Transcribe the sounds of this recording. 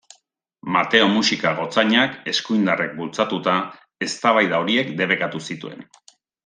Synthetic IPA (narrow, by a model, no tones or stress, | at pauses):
mat̪e̞o̞musikaɣ̞o̞t͡saɲake̞skujnd̪arek̚bult͡sat̪ut̪a | e̞st̪aβajðaoɾie̞kd̪e̞β̞e̞kat̪usit̪ue̞̰n